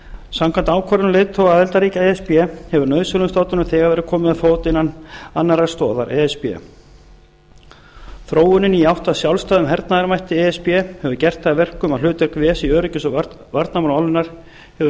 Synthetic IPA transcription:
samkʰvant̪aːwkʰvaɾʏnmleːðt̪ʰowɣaðɛlt̪aɾiːcaɛɛspjɛhɛvʏɾnœɥðsœlʏst̪aːwt̪ʏnʏmθɛːɣaɾvɛːɾɪkʰɔːmɪðafoːwt̪ɪnːananːaɾast̪ɔːða̰ɾʔɛɛspɛ̰ | θɾoːwʏnʏniawht̪asjawlst̪aːðʏmɦɛɾt̪naðaɾmajht̪ɪɛɛspjɛhɛvʏɾcɛr̥t̪aːvɛr̥kʏmaðlʏːt̪ɪɾkvɛːsiœːɾʏcʏsɔ | vaɾt̪namanawlʏnaɾ̥ | hɛvʏ

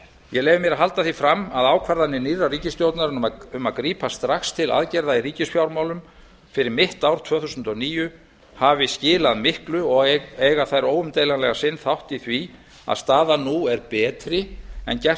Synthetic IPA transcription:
jɛlɛːjvɪmjɛɾaɦal̪t̪aθifɾamːaðaːwkʰvaɾðanːɪniːraɾriːcɪst̪jowt̪naɾnʏmaðkɾiːpʰast̪ɾaxst̪ʰɪla̰ðcɛɾðairiːcɪsfjawɾmawlʏm | fɪɾɪɾmɪht̪awɾ̥t̪ʰvœːθusʏnt̪ɔniːjʏ | havɪscɪːlaðmɪhklʏɔɣeːjɣaθajɾoːwʏmt̪ejlanlɛɣasɪnθawht̪iθvi | a̰ðst̪aːðanuɛɾpɛːt̪ɾɪɛ̰ncɛ

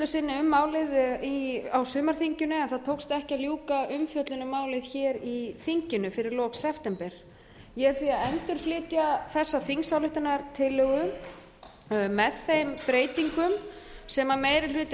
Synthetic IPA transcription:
lʏsɪnːɪʏmːaːwlɪðiawsʏːmaɾ̥θiɲcʏnʏɛnθaðt̪ʰoːwkst̪ɛhcaljuːkaʏmfjœt̪lʏnʏmaːwlɪðçɛːɾiθiɲcʏnʏfɪɾɪɾlɔːksɛft̪ɛmpɛɾ̥ | jɛ̥θviaðɛnt̪ʏɾ̥flɪːt̪jaθɛsːaθiŋsawlʏht̪ɪnaɾt̪ʰɪlːɛɣʏ | mɛðθejmpɾeːjt̪iŋkʏmsɛmameːjɾɪlʏːt̪

